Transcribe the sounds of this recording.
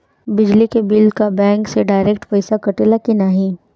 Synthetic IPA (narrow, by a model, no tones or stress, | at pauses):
bɪd͡ʒlikebɪlkabɛ̃ːŋkseɖaːɪɾeːk̚ʈpɐɪsakɐʈelakinaːɦĩ